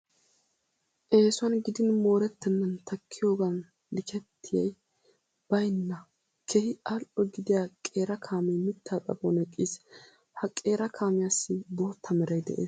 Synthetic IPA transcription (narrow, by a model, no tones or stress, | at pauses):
ʔe̞ːsʊɐnɡɪd̪ɪnmo̞ːɾɛt̪ːɛnːɐnt̪ʰɐkʰːɪjo̞ːɡɐn | lɪkʰɛt̪ʰːɪjɐj | b̥ɐjnːɐ | kʰɛhɪalʔɔɡɪd̪ɪjakʼe̞ːɾɐkʰaːmɛjmɪt̪ʰːaːt̪ʼɐ̰bonɛkʼːiːs | hɐkʼe̞ːɾɐkʰaːmɪjasːɪb̪oːt̪ʰːɐmɛɾɐjd̪ɛ̰ʔḛːs